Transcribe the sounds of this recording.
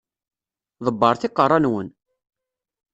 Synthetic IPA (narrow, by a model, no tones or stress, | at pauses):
ðˤəbːəɾˤθɪqːərˤɑnwən